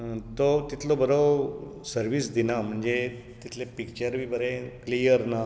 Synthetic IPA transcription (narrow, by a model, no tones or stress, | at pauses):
t̪ot̪it̪lobəɾosəɾʋiːsd̪inam̤əɳd͡ze | t̪it̪lepikt͡ɕəɾʋiːbəɾẽklijəɾna